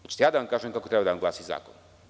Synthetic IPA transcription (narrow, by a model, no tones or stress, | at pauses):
et͡ʃi̥t̪jaːd̪aʋamkaːʒemkakot̪ɾebad̪aʋamŋɡlaːsiza̰ːkon